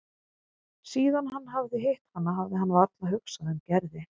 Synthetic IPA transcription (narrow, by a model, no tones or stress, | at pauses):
siːðanɦanːɦavðɪɦeht̪hanːaɦavðɪɦanːvaɾt̪laɦʏksaðɛmcɛɾðɪ